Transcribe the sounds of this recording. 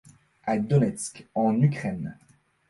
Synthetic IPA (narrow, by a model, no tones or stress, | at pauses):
ad̪ɔnɛt̪skɑ̃nykχɛn